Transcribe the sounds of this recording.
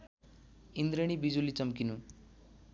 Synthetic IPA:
ind̪ɾeɽ̃ibid͡ʒulit͡ʃɐmkinu

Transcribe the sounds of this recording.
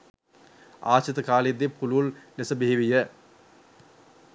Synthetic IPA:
a̰ːt͡ʃɐt̪əkaːled̪ːepulullesəbeɦiʋijə

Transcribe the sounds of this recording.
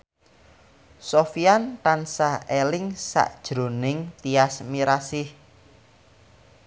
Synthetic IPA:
sofiant̪ansahelɪŋsa̰ʔd̥ʒ̥ɾo̤nɪŋt̪iasmiɾasɪh

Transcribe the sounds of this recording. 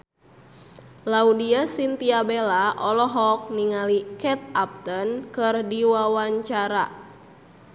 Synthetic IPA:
laudiasint̪iabelaʔɔlɔɦɔk̚niŋalikɛt̪̚ap̚t̪ənkɨrdiwawaɲt͡ʃaɾa̰

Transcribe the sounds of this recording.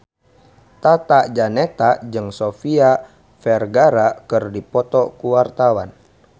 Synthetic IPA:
t̪at̪ad͡ʒanɛt̪ad͡ʒɨŋsofia | fɛrɡaɾakɨrdipɔt̪ɔkuwart̪awa̰n

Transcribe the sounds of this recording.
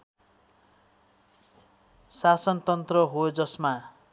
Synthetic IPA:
sasʌnt̪ʌnt̪rʌɦod͡zʌsma

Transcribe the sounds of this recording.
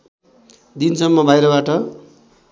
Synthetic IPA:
d̪insʌmːʌbʱajɾʌbaʈʌ

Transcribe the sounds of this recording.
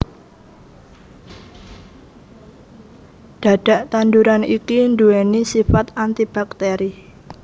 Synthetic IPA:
ɖ̥a̤ɖ̥a̤ʔt̪anduɾanikinduenisifat̪ant̪ib̥ak̚t̪eɾi

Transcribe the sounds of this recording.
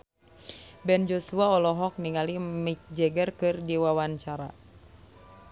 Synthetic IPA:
bɛnd͡ʒɔsuaɔlɔɦɔk̚niŋalimik̚d͡ʒɛɡərkɨrdiwawaɲt͡ʃaɾa̰

